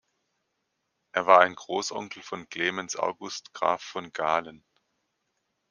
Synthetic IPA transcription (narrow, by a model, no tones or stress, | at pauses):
ʔeːɐvaːɐaɪnɡʁoːsʔɔ̰ŋkl̩fɔnkl̥eːmɛnsʔa̰ʊɡʊstɡ̥ʁa̰ːfːɔnɡaːlən